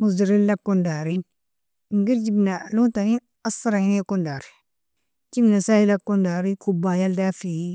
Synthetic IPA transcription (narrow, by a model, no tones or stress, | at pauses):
muzdiɾillakːondaɾin | ɡiɾd͡ʒibnaluntanin | asaɾahinekundaɾi | d͡ʒibnasailakːondaɾikubajaldafi